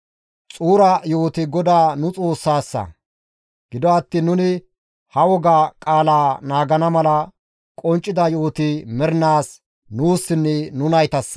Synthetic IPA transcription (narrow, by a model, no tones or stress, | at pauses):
t͡sʼuːɾɐjoːt̪ɪɡɔd̪aːnʊt͡sʼo̞ːsːaːsːɐ̰ | ɡ̥ɪd̪ɔɐt̪ːɪnːʊnɪ | hɐwɔɡakʼaːlaːnaːɡɐnɐmɐlɐ | kʼɔnt͡ʃʼːɪd̪ɐjoːt̪ɪmɛɾɪnaːs | nuːsːɪnːɛnʊnɐjt̪ɐs